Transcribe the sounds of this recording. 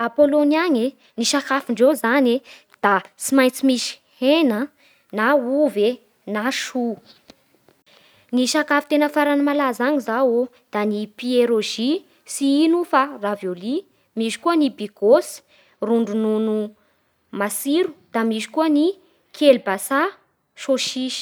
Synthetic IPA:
apoloniaɲe | niʃakafiɳɖ͡ʐezane | d̪̥asimajnt͡simiʃi̥henə | nauve | naʃu | niʃakafit̪enəfaɾanəmalazaɲizawo | d̪̥anipieɾoʒi | siinufaravjoli | miʃi̥kuənibiɡosi̥ | ruɳɖ͡ʐununu | masiɾu̥d̪̥amiʃi̥kuəni | kʰelbasa | ʃoʃiʃi̥

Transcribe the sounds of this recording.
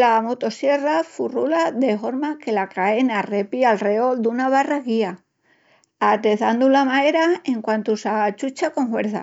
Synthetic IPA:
lamot̪o̞sje̞rafurulaðe̞fo̞ɾmake̞lakaenare̞pialreo̞ld̪unaβ̞araɣia | at̪e̞θand̪ulamae̞ɾae̞ŋkwant̪usat͡ʃut͡ʃakoŋxwe̞ɾθa̰

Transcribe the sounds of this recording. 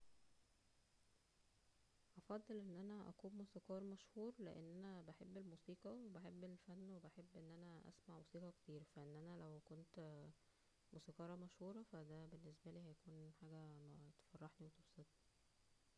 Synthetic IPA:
ʔɑfɑd̪ˤːelʔenːʔænæʔæ̰kuːmmuːsiːqɑːɾˤmæʃhuːɾleʔḛnːʔænæbeħebːelmuːsiːqɑwebeħebːelfænːwebæħebːʔenːʔænæʔæ̰smaʕmusiːqɑkt̪iːɾfæʔenːʔænælæwkont̪ | musiːqɑːɾˤɑmæʃhuːɾˤɑfæd̪æbenːesbæliːhæjækuːnħaːɡæt̪e̥fɑrˤːɑħniwet̪ebset̪ni̥

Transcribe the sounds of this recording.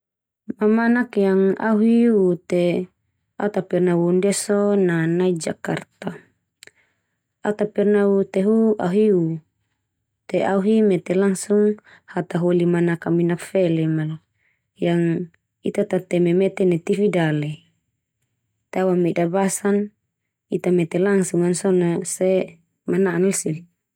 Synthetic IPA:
mamanakjaŋa̰ɦiut̪ɛ | a̰t̪apɛrnawundasɔnanaid͡ʒakart̪a | at̪apɛrnaut̪ɛɦua̰ɦiu | t̪ɛauɦimɛt̪ɛlaŋsuŋ | hat̪aɦolimanakaminakfɛlɛmal | jaŋ | it̪at̪at̪ɛmɛmɛt̪ɛnɛt̪ifidalɛ | t̪awamɛdabasan | it̪amɛt̪ɛlaŋsuŋansɔnasɛ | manaanalsil

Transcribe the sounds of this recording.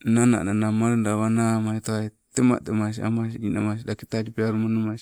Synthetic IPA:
nana̰nanamaɾndaβanamasit̪oait̪ema̰ʔt̪emas̬ia̰mas̬idinamas̬idaki̥t̪ad͡ʒipiaɾumanumasi

